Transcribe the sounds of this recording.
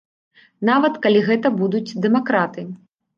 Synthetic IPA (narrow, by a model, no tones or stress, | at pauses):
navɐt̪kalʲiɣɛt̪ɐbud̪ut͡sʲd̪ɛmakɾat̪ɨ